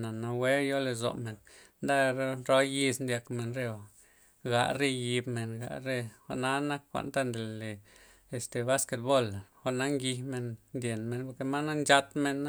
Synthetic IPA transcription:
na˨na˨we˦jo˦le˧zo̰˨me˨n | nd̪a˦ɾɾo˦ji˦˧snd̪ja˧kme˧˨nɾe˧o˨ | ɡa̰˧ʔɾe˧ji˧bme˨nɡa̰˧ʔɾe˦xa̰˧ʔna˦na˦kːʷa̰˨nt̪a˦nd̪e˨le˨ | e˨st̪e˨ba˦ske˨˧t̪̚bo˦lxʷa˧ʔna˦ŋɡi˧me˧nnd̪ʲje˨nme˧˨npo˧ke˧ma˦na˦nd͡ʒa˧t̪me˧n˦

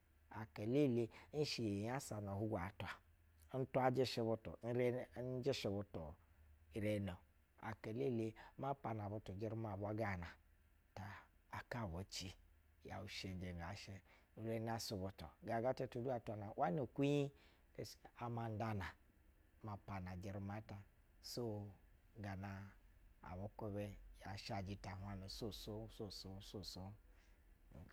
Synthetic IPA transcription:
a˨ke˨le˦˨le˦n̩˦ʃi˨ja˦sa˨no˨hu˦ɡʷa˨tʷa˨ | n̩˦tu˦a˦d͡ʒi˦ʃe˦βo˦to̰˨˦ɾn̩˦d͡ʒe˦ʃi˨bu˨˦to˨i˨ɾe˦no˨ | a̰˨ke˨le˦˨le˦ma˦pa˨n˨a˨bu˦tu˨d͡ʒi˦ɾi˦ma˨bʷa˦ɡa˦˨na˨ | taː˨ | ka˦˨bo˨˦t͡ʃi˦ | ja̰˨u˨ʃe˨n˨˦d͡ʒe˨n˨a˨ʃe˦ | u˨ɾe˦na˦˨so˨βo˨to˨ɡa˨ɡa˦te˦tu˨du˦a˨ta˨na˨wʔa˦n˦o˨kʷi˦i˦ | e˨a˨ma˨n̩˦da˦na˨˦ | ma˨pa˨na˨d͡ʒi˨ɾi˦ma˦ta˨ | so˦˨ | ɡa˨na˨a̰˨βo˦ko˦βe˦ja˨ʃa˨d͡ʒi˦ta˨ɦʷa˦no˨so˦so˦so˦˨so˦so˦˨so˦˨

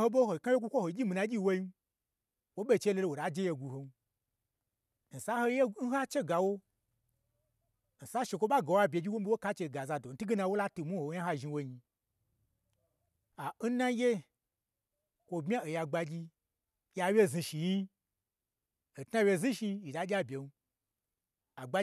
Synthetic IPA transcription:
ho˦ɓo˦ho˨ka˦wje˦ɡʷu˦kʷo˦ho˨˦d͡ʒʲi˦mi˨na˧˦ɡʲi˦˧wo˧ji˦ | wo˦ɓe˦˨t͡ʃe˦lo˧lo˧˨wo˨a˨d͡ʒe˦je˧ɡu˧ho˧n˦˨ | n̩˨sa˦ho˧je˦n̩˦a˦t͡ʃe˦ɡa˨wo˦˨ | n̩˨sa˦ʃe˧kʷo˦ɓa˦ɡa˨wa˦bʲe˨˧ɡʲi˦wʷo˦m̩˦bi˦wo˦ka˦t͡ʃe˧˨ɡa˨za˧do˨n̩˦tu˦ɡe˦nã˧˨wo˦la˦tu˨mu˦ho˨˦ja˦ɦa˦ʒi˧wo˧ɲi˧ | a˨n̩˦na˦je˦ | kʷo˧bmʲ˦a˦o˨ja˧ɡ͡ba˧ɡʲi˧ | jʲa˧wʲje˦˨zi˧ʃi˨ji˦ | o˨tna˦wʲe˧˨zi˦ʃi˧i˨da˨˦ɡʲa˦bʲe˨nu˦ | a˨ɡ͡ba˧˦

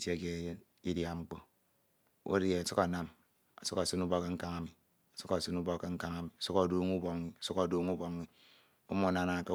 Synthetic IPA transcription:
te˦˨ke˦ | i˦dja˨ŋ͡m̩˦k͡po˦ | o̰˦ɾje˨su˦ka˨na˦m | a̰˨su˦ka˨sɨ˦nu˦bɔ˦ke˦ŋ̩˦ka˦ŋa˦mi˨ | a˨su˦ka˨sɨ˦nu˦bo˦kːe˦ŋ̩˦ka˦ŋa˦mi˨a˨su˦ka˨do˦ŋu˦bo˨ŋ˦i˦a˨su˦ka˨do˦ŋu˦bo˦ŋ˦i˦ | o˦mo˦˨na˦na˨ke˦

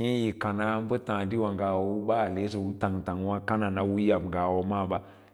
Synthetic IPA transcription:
ĩ˦ji˨ka˨na˦m˦bə˦tã˨di˦wa˨ŋɡa˨wo˨˦wu˦ɓa˦˨le˨˦s̬o˨wu˦ta˨ŋ˨ta˨ŋ˦wa˦ka˦na˨na˦wu˦ja˨bɡa˨wo˨ma˦˨ba˦

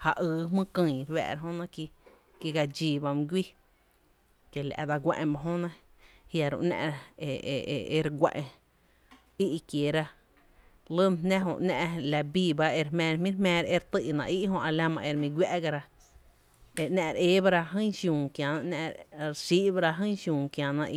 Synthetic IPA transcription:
ha˧ʔɨː˧˦ɦmɨ̃˦kɨ̃˧jɾwɛ̰ː˧˨ɾa˧ɦõ˦nã˦˧ki˧ | ki˧ɡa˧d͡ʒiː˧˨ba˧mĩ˧ɡʷi˦ | ke˨la̰˨ʔd̪a˧ɡʷḛ̃˧ʔẽ˧ba˧ɦõ˦nã˦ | hja˧ɾo̰˧ʔnɛ̰̃˧ʔɾḛ˧˨˧e˧ɾɡʷḛ̃˧ʔẽ˧ | i˦ʔkje˨ɾa˧ | lə˦m˨nɛ̃˦ɦõ̰˧ʔnɛ̃ː˧ʔla˧biː˧˨ba˦e˧ɾhmɛ̃ː˧ɾmĩ˦ɾmɛ̃ː˧ɾe˧ɾt̪ɨ˦˧ʔnã̰˨ʔi˦ʔɦõ˧ʔa˧la˧mã˧ʔe˧ɾmĩ˧ɡʷja˦ʔɡa˧ɾa˧ | e˨ʔnɛ̃˧ʔɾe˧˦ba˦˧ɾa˧ɦɨ̃˦ʃjũː˨ŋkjã˨nã˧ʔnɛ̰̃˧ʔɾɾsi˦ʔba˧ɾa˧ɦɨ̃˦ʃjũː˨ŋkjã˨nã˧ʔi˧˨

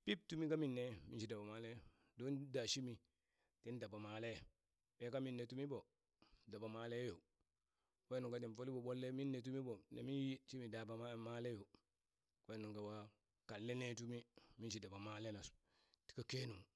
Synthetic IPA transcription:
pi˦p̚tu˦mi˦ka˦mi˦˨nːe˨mi˦nʃi˨da˨ba˨ma˨˦le˦ | do˦nda˨ʃi˦mi˨ | te˦n˦da˨ba˨ma˨le˦ | ɓe˦ka˦mi˦nːe˨tu˦mi˦bo˨ | da˨ba˨maː˨le˦jo˨ | ke˦nu˨ŋka˨˦ti˨nfo˦li˦bo˨ɓo˦lːe˦mi˦nːe˨t̬u˦mi˦bo˨nḛ˨mi˦ji˦ʃi˦mi˨da˨ba˨˦ma˦le˦jo˨ | ke˦nu˨ka˨wa˦ | ka˨lːe˦ne˦tu˦mi˦mi˦ʃi˨da˨ba˨ma˨le˦na˨s | ti̥˦ka˦ke˦nu˨ŋ

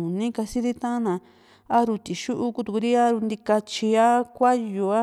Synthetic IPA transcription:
ũ˨nĩ˦ka˧si˦ði˦t̪ã˦nã˨˧ | a˦ɾu˧t̪i˨ʃu˦ʔu˦ku˦˧t̪ku˧ɾi˦a˦ɾu˧nd̪i˧ka˧t͡ʃi˧a˦kʷa˦ju˨˧a˦

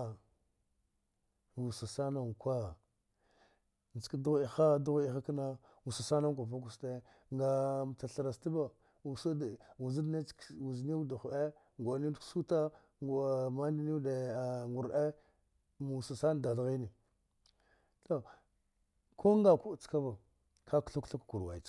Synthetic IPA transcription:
wu˨sa˨sa˦na˦˨ŋ˨kʷa˦ | n˨d͡ʒi̥˨kdu˦ɣi˨xa˦du˦ɣi˨xa˦kna˦ | wu˨sa˨sa˦na˦ŋkʷa˨fa˦k̬u˨ste˦ | ŋɡa˨ta˨ɬa˨ɾa˨sti˦ba˨ | u˨sa˦dwu˨zi˦dḁ˦wu˨zni˦u˦da˨xʔe˦ | ŋɡʷa˨ni˦ksu˦ta˦˨ | ma˦n˦di˦ni˦de˨a˨ŋɡu˨ɾʔe˦ | mu˨sa˨sa˦n˨da˨ɬɣi˦ni˨ | to˦ | kʰo˦ŋɡa˨ku˦˨t͡ska˦ba˨ | kʰa˦kɬu˦kɬa˦kku˨ɾwa˨t͡ʃ

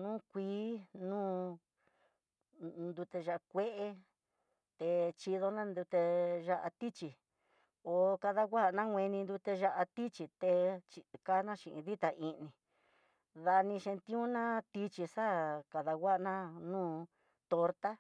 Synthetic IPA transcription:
nũː˦kʷiː˧˦nũː˦ | nd̪u˧t̪e˧ʒa˧ʔa˧kʷe˦ʔe˧ | t̪e˧t͡ʃi˧ðo˧nã˦nd̪u˧t̪e˧ʒa˧ʔa̰˧t̪i˦t͡ʃi˧ | o˧˨ka˧ða˧ɡʷa˦˧nã˦ŋʷẽ˧nĩ˧nd̪u˧t̪e˧ʒa˧ʔa˧t̪i˦t͡ʃi˧t̪e˧t͡ʃi˧ka˦nã˦ʃĩ˧ʔḭ̃˧ði˦t̪a˧ʔi˧nĩ˧ | ða˧nĩ˧ʃe˧nt̪ĩ˦ũ˦nã˦t̪i˧t͡ʃi˧sa˦ka˧ða˧wa˦˧nã˦nũː˦ | t̪o˧ɾt̪a˦

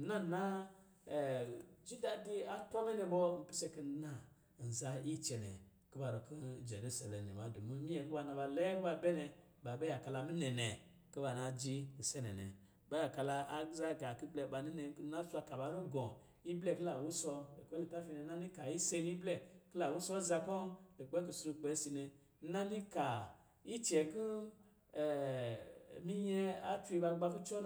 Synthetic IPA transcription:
na˦˨na˦˨ | d͡ʒi˦da˨di˦a˦to˦me˦ne˨bo˦m̩˨pi˦se˧ki˨˦na˨ | n̩˨za˨i˦t͡ʃe˨nḛ˨ | ki˦ba˨ɾo˨ki˦d͡ʒe˨ɾu˦sa˨le˨nḛ˨ma˨du˨mu˦mi˦e˨ku˦ba˨na˨ba˨le˦kba˨˦be˦ne˨ | ɓa˨be˦ja˨ka˨la˨mi˦ne˨ne˨ | kə˦ba˨na˨d͡ʒi˦ɡi˨se˦ne˨nḛ˨ | ɓe˦ja˨ka˧la˧a˨ɡza˦ɡa˨ki˦ble˧˨ɓa˧ni˦ne˧ŋ˦kna˦su˦a˧ka˨ɓa˧˦nu˦ɡõ˨ | i˦ble˦˨ki˦la˨wu˦sɔ˧le˨kʷe˦li˧˨ta˦fi˧ne˧na˦ni˦ka˨i˦se˧˦i˦ble˦˨kla˨wu˦sɔ˦za˧ko˦le˨k͡pe˦k̬i˧su˧ɾu˧k͡pe˨˧˦si˧ne˧˦ | na˦ni˦ka˨ | i˦t͡ʃe˨ki˦˨ | mi˦je˧a˦t͡ʃi˧ɓa˧ɡ͡ba˧ku˦t͡ʃo˦

